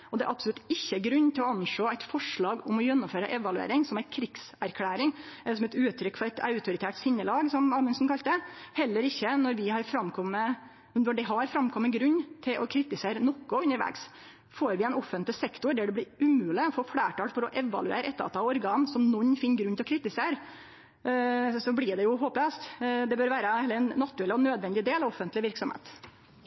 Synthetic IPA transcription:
ɔd̪ɛæɾʔɑpsɔlʉt̪ːɪçːəɡɾʉnːt̪ʰɪlɔɑnʂoːæɪt̪fɔʂɭɑːɡɔmɔjɛnːʊmføːɾə̰ʔɛʋɑlʉḛːɾɪŋsɔmæɪkʰɾɪɡ̥sæɾkʰlæːɾɪŋæɛsɔmɛt̪ʉːt̪ʰːɾʏkːfɔɾæɪt̪ʰɑ̰ʉt̪ʰʊɾɪt̪ʰæːʈsɪnːəlɑːɡsɔmɑːmɛnsɔnkʰɑlt̪d̪əhɛlːəɾɪçːənɔɾʋɪhɑɾfɾɑmkʰɔmːə | nɔɖɛɦɑɾfɾɑmkʰɔmːəɡɾʉnːt̪ʰɪlʔɔkʰɾɪt̪ɪseːɾənɔkːɔʉnːəɾʋæ̰ːɡs | foːɾʋɪɛnɔfːənt̪lɪsɛkt̪ʊɾɖ̪æɖɛb̪ɪɾʉmʉːlɪɔfɔːfɽæːʈʰɑːɽfɔɾɔʔɛʋɑ̰lʉḛːɾəɛt̪ːɑ̰t̪ɑɔɾɡɑːnsɔmnɔnːfɪnːɡɾʉnt̪ɪlɔkʰɾɪːt̪ɪseːɾ | sɔblɪɖɛjʊɦoːp̪ɛst̪d̪ɛbøːɾʋæːɾəhɛlːəɾɛnːɑt̪ʉɾɛlɔnøːd̪ʋɛnd̪ɪd̪eːlɑʋɔfːənt̪lɪʋɪɾksɔmhḛːt̪

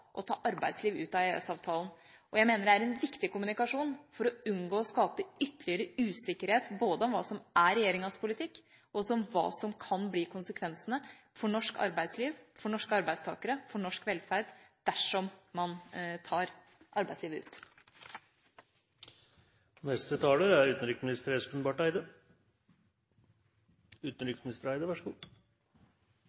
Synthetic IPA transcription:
ʔɔ̰t̪ʰɑ̰ːʔɑɾbæɪsliːʋʉ̰ːt̪ɑeɛ̰sɑːʋt̪ʰɑːln̩ | ʔɔjæɪmeːnəɖɛæɾɛnʋɪkt̪ɪkʊmʉnɪkɑʂuːnfɔɾɔʉnɡoːɔskɑːpəʏt̪ːəɭɪəɾəʉːsɪkːəɾheːt̪boːd̪əɔmʋɑːsɔmæɾɛjeːɾɪŋɑspʰʊlɪt̪ʰɪkː | ɔɔsɔɔmʋɑ̰ːsɔmkʰɑnbliːkʰʊnsəkʰʋɛnsənə | fɔɳɔʂkɑ̰ɾbæɪd̪sliːʋfɔɳɔʂkəɑɾbæɪst̪ʰɑ̰ːkəɾəfɔɳɔʂkʋɛlfæɾɖ̪d̪̥æʂɔmmɑnt̪ʰɑːɾ | ʔɑɾbæɪd̪sliːʋəʉ̰ːt̪ | nɛst̪ət̪ʰɑːləɾæɾʉːt̪n̩ɾʏksmɪnɪst̪əɾɛsɔpʰənbɑːʈæɪd̪ə | ʉːt̪nɾʏksmɪnɪst̪əɾæɪd̪əʋæʂəɡṵː

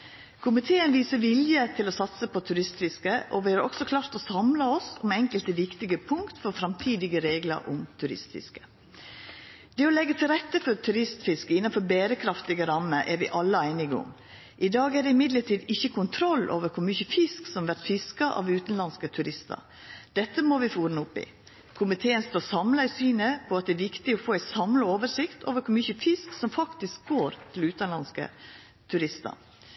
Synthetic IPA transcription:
kʰʊmɪt̪ʰeːənʋiːsəʋɪljət̪ʰɪlɔsɑt̪səpʰɔt̪ʰʉɾɪst̪fɪskəʔoʋɪhæɾɔ̰ksɔkʰlɑːɾt̪ɔsɑmlɑɔsɔmɛŋkəlt̪əʋɪkt̪ɪɡəpʰʊŋkt̪fɔɾfɾɑmt̪ʰiːd̪ɪɡəɾeːɡlə̰ɾʔʊ̰mt̪ʰʉɾɪ̰st̪fɪ̰skə̥ | d̪̥ɛːɔlɛɡːət̪ʰɪlɾɛt̪ːəfɔɾt̪ʰʉɾɪst̪fɪskəɪnːɑnfɔɾbæːɾəkʰɾɑft̪ɪɡəɾɑmːəɾʔɛɾʋɪʔɑlːəæɪnɪɡʊ̰m | ʔɪd̪ɑːɡæd̪ɛɪmɪd̪ləʈʰiːd̪ɪçːəkʰʊnt̪ʰɾɔlːʔo̰ːʋəɾkʰʊɾmʏçəfɪsksɔmʋæɾt̪fɪskɑʔɑ̰ʋʉːt̪ən̩lɑnskət̪ʰʉɾɪst̪ə̰ɾ | d̪ɛt̪ːəmɔʋɪfuːɾnəʊpːɪ̰ | kʰʊmɪt̪ʰeːənst̪oːɾsɑmlɑɪsyːnəpʰɔɑt̪̚d̪ɛɛʋɪkt̪ɪɔfoːæɪt̪sɑmləoːʋəʂɪkt̪o̰ːʋəɾkʰʊɾmʏçəfɪsksɔmfɑkt̪ɪsk̚ɡoːɾt̪ʰɪlʉːt̪ɑnlɑnskə̰ | t̪ʰʉɾɪst̪ɑ̰

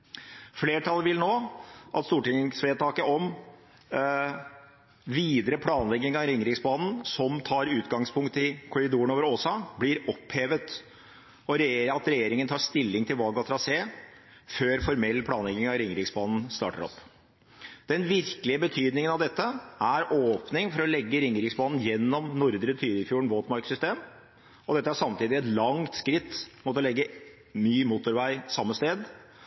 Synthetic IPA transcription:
fleːʈʰɑlːəʋɪlnoːʔɑt̪st̪uːʈɪŋsʋeːt̪ʰɑːkəʔɔm | ʋiːd̪əɾəpʰlɑːnlɛɡɪŋɑɾɪŋɾɪksbɑːnn̩sɔmt̪ʰɑːɾʉːt̪ɡɑŋspʰʊŋkt̪ɪkʰʊɾɪd̪uːəɳoːʋəɾoːsɑːblɪɾɔpheːʋət̪ | ɔɾɑt̪ɾɛjeːɾɪŋənt̪ʰɑːʂt̪ɪlːɪŋt̪ʰɪlʋɑlɡɑt̪ʰɾɑseːføːɾfɔɾmɛlːpʰlɑːnlɛɡɪŋɑɾɪŋːɾɪksbɑːnn̩st̪ɑ̰ːʈə̰ɾɔ̰pː | d̪̥ɛnʋɪɾkəlɪəbət̪ʰyːd̪nɪŋənɑʋd̪ɛt̪ːəæɾʔoːpnɪŋfɔɾɔlɛɡːəɾɪŋːɾɪksbɑːnn̩jɛnːɔmnʊɾd̪ɾət̪ʰyːɾɪfjuːɳ̩ʋoːt̪mɑɾksʏst̪eːm | ɔd̪ɛt̪ːəæsɑmt̪iːd̪ɪɛt̪lɑŋt̪skɾɪt̪ːmoːt̪əlɛɡːə | myːmuːt̪ʊɾʋæɪsɑmːəst̪eːd̪

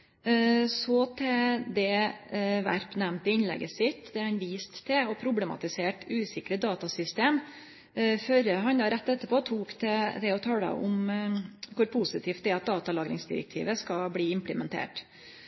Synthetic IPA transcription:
sɔt̪ʰɛd̪ɛ | ʋæ̰ɾpnɛmnt̪ɪɪnlɛ̰ɡəsɪt̪ːd̪ɛhɑnʋiːst̪t̪ʰːɛɔpʰɾʊblɛmɑ̰t̪ɪseːʈʉːsɪkɾəd̪ɑːt̪ɑsʏst̪eːm | føɾəɦɑɲd̪ɑːɾɛt̪ːɛt̪ːəpʰoːt̪ʰuːkt̪ʰɛd̪ɛɔt̪ʰɑːlɑ̰ʔʊm | kʰʊɾpʰʊsɪt̪ʰiːft̪d̪ɛɑt̪̚d̪ɑːt̪ɑlɑːɡɾɪ̰ŋsd̪ɪ̰ɾɛ̰k̚t̪ʰḭːʋəskɑbliːɪmpləmɛnt̪ʰḛːʈ

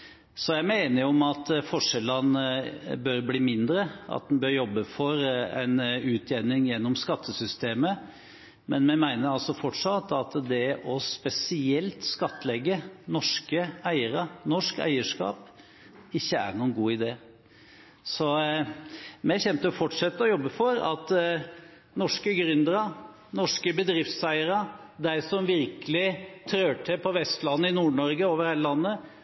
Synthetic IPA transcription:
sɔjæɪmɛeːnəɾɔmɑt̪fɔʂɛlːɑnəbøɾbliːmɪnd̪ɾəɑ̰t̪̚d̪nbøːɾjɔbːəfɔɾɛ̰ɪnʉːt̪ʰjɛnɪŋjɛnːɔmskɑt̪ʰːəsʏst̪eːmə | mɛnmɛmæɪnəɾɑlsɔfɔʈʂɑt̪ːɑt̪d̪ɛʔɔspɛsɪɛlt̪skɑt̪ːəlɛɡːənɔʂkəæɪəɾənɔʂkæ̰ɪəʂkɑ̰ːp | ɪçːəæ̰ɾnuːənɡuːɪd̪eː | sɔ | mɛçɛnt̪əfɔʈʂɛt̪ːəɔjɔbːəfɔɾɑ̰t̪ | nɔʂkəɡɾʏnd̪əɾɑ | nɔʂkəbəd̪ɾɪft̪sæɪəɾɑ | d̪æɪsɔmʋɪɾkəlɪt̪ʰɾøːʈʰɛpʰɔʋɛst̪lɑnːəɪnuːɳɔɾɡəoːʋəɾheːləlɑnːə

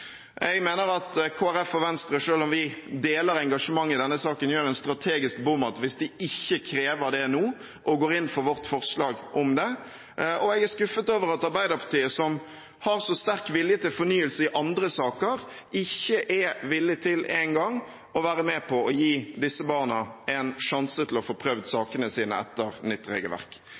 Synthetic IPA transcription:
ʔɛɡmeːnəɾɑt̪kʰoːæɾɛfɔʋɛnst̪ɾəʂøːlɔmʋɪd̪eːləɾɛŋɡɑʂəmɑŋːɪd̪ɛnːəsɑːkənjøːɾɛnst̪ɾɑt̪ʰeːɡɪsk̚bʊmɑt̪ʋɪsd̪ɪɪçːəkʰɾeːʋəɾd̪ɛnuː | ʔɔɡoːɾɪnfɔʋɔʁt̪fɔʁslɑːɡʔɔmd̪ɛ | ʔɔɛɡæskʉfːət̪oːʋəɾɑt̪ɑɾbæɪd̪əʁpʰɑt̪ʰiːəsɔm | hɑɾsɔst̪æɾkʋɪljət̪ʰɪlfɔɾnyːəlsəɪʔɑnd̪ɾəsɑːkəɾ | ɪçːəʔɛʋɪlːɪt̪ʰɪlæɪŋɡɑŋ | ɔʋæːɾəmɛpʰɔɔjiːd̪ɪsəbɑːʁnəɛnʂɑnsət̪ʰɪlɔfoːpʰɾœʋd̪sɑːkənəsiːnə̰ɛ̰t̪ːəɾnʏt̪ːɾḛːɡəlʋæ̰ʁk

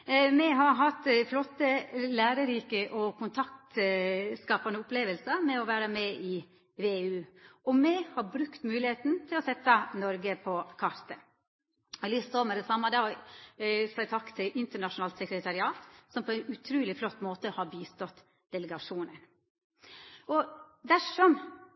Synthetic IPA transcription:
mɛɦɑɾɦɑt̪flɔt̪ːəlæːɾəɾiːkəʔɔkʰʊnt̪ʰɑkt̪skɑːpɑnəʊpleːʋəlsəmɛɔʋæːɾəmɛɪ | ʋeːʉːɔmɛhɑɾbɾʉkt̪mʉːlɪheːt̪n̩t̪ʰɪlɔsɛt̪ːɑnɔɾɡəpʰɔkʰɑɾt̪ə | ɔlʏst̪oːmɛd̪ɛsɑmːɑd̪ɛɔ | sɑɪt̪ʰɑkːt̪ʰɪlʔɪnt̪əɳɑʂʊnɑːlt̪sɛkɾət̪ʰɑɾɪɑːt̪sɔmpʰɔæɪnʉt̪ʰɾʉːlɪflɔt̪ːmoːt̪əhɑːɾbiːst̪ɔt̪ː | d̪̥ɛləɡɑʂuːnən | ɔd̪æʂɔm

